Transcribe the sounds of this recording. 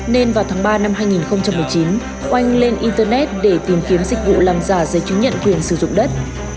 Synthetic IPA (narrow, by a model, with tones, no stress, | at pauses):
ne˧nvaː˨˩wt̪ʰaː˨˦ŋɓaː˧na˧mɦaː˧jŋi˨˩nxə˧wŋ͡mt͡ɕa˧mːɨ˨˩jt͡ɕi˨˦n | ʔa˧jŋ̟le˧nʔi˧nt̪əː˧nɛ˦˥t̚ɗe˧˩t̪i˨˦mki˨˦əmzï˨˩k̟̚vṵ˧˨laː˧˩ŋzaː˧˩zə˨˦jt͡ɕɲə̰˧˨nkwi˨˩ənsɨ˧˩zʊ̰˧˨ŋ͡mɗə˦˥t̚